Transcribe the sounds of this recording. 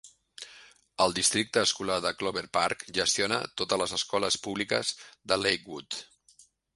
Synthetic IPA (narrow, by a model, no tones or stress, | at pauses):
əlˠd̪ist̪ɾik̚t̪əːskulaðəkloβeɾpaɾkʒəst̪ionə̰t̪ot̪ələzəskɔləspuβlikəzðəlejkwut̪